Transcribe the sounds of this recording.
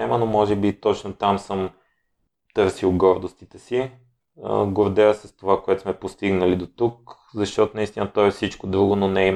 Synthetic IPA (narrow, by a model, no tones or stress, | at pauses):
ɛmənomɔʒɛbit̪ɔt͡ʃnot̪amsɤm | t̪ɤɾsilˠɡɔɾd̪ost̪it̪ɛsḭ | ɡoɾd̪ɛəsɛst̪ovakoɛt̪o̥smɛpost̪iɡnəlid̪ot̪uk | zɐʃt̪ɔt̪ʊnɐist̪inət̪ɔɛfsit͡ʃkod̪ɾuɡʊnonɛi